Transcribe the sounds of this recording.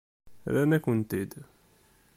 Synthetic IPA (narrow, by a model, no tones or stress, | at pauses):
ɾænækːənt̪id̪